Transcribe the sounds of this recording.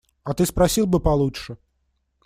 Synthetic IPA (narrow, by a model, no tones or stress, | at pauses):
ɐt̪ɨspɾɐsʲilˠbɨpɐlˠutʂɨ